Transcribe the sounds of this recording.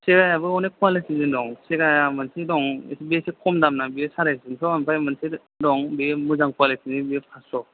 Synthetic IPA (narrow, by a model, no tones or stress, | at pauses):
seɡajabɯɔnekwalesizindɔŋseɡajamansidɔŋḛsibiesekʰɔmdamnabiesaɾajszinsʰɔanpʰajmansi | dɔŋbimuzaŋkwalesʰinibiepʰasɔ